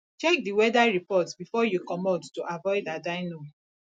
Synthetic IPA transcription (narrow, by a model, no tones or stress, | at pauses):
t͡ʃɛk̚diwɛdaɹipɔtbifɔjukɔmɔdtuʔavɔɪdadaɪno